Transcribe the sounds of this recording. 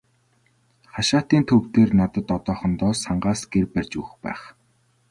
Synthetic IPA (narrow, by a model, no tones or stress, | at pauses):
χaʃaːt̪iːnt̪ʰɵwt̪eːrnat̪ə̆t̪ɔt̪ɔːχə̆nt̪ɔːsaɴɢaːsɡ̥erpærʲt͡ɕuːxpæ̰ːχ